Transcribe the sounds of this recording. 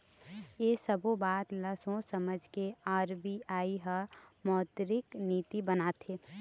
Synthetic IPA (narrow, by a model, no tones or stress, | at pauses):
jesəbʱobaːt̪ləsõsəməd͡ʒʱkeaːɾbiaːiɦə | mɔːt̪ɾɪkniːt̪ibənat̪e